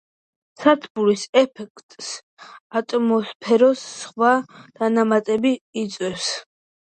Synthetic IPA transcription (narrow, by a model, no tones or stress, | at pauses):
sat̪ʰbuɾisɛpʰɛkʰt̪ʼs | at̪ʼɔmɔspʰɛɾɔsːχwad̪̥anamat̪ʼɛbiːt̪sʼwɛfs